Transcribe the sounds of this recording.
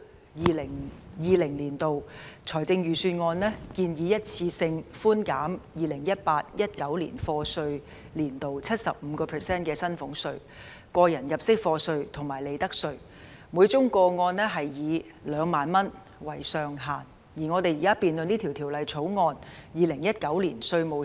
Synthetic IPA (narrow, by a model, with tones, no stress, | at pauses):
jiː˨˧lɪ˨˩ŋjiː˨˧lɪ˨˩ŋliː˨˩nt̪o˨wt͡sʰɔː˨˩jt͡sɪ˧ŋjyː˨syː˧t̚ŋɔː˧nlɛː˥kiː˧njiː˨˧jɐ˥t̚t͡sʰiː˧sɪ˧ŋfuː˥nkaː˨˥mjiː˨lɪ˨˩ŋjɐ˥t̚paː˧t̚jɐ˥t̚kɐ˨˥wlḭː˨˩nfɔː˧sɵ˧ɥ | liː˨˩nt̪o˨wt͡sʰɐ˥t̚sɐ˨p̚m̩˨˧kɔː˧pʰɛː˨˩sɛː˥nkɛː˧sɐ˥nfʊ˨˥ŋsɵ˧ɥ | kɔː˧jɐ˨˩njɐ˨˩p̚sɪ˥k̚fɔː˧sɵ˧ɥt̪ʰʊ˨˩ŋmaː˨˩le˨˧jt̪ɐ˥k̚sɵ˧ɥ | muː˨˧˥jt͡sʊ˥ŋkɔː˧ŋɔː˧nnɛː˥ɦɐ˨jjiː˨˧ | lœː˨˧ŋmaː˨˧nmɐ˥n | wɐ˨˩jsœː˨ŋɦaː˨˩n | jiː˨˩ŋɔ˨˧t̪e˨jiː˨˩kaː˥piː˨nlɵ˨˧niː˥t̪ʰi˨˩wt̪ʰi˨˩wlɐ˨jt͡sʰo˨˥wŋɔː˧njiː˨lɪ˨˩ŋjɐ˥t̚kɐ˨˥wlḭː˨˩nsɵ˧ɥmo˨w